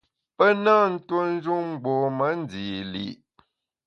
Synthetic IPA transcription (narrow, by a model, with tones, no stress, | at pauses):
pə˦na˦n̩˦two˦n̩˦d͡ʒu˦ŋ͡m̩˦˨ɡ͡bɔ˨mə˦n˦d͡zi˨lḭ˨ʔ